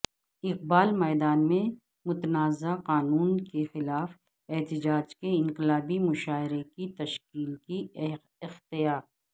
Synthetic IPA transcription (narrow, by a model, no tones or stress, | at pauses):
ɪq̚baːlmɛːd̪aːnmẽ | mʊt̪naːzaqaːnuːnkexɪlaːf | ɛɦt̪ɪd͡ʒaːd͡ʒkeɪ̃ŋqɪlaːbimʊʃaːɪɾekit̪ɐʃkiːlki | ɪxt̪ɪjaːɾ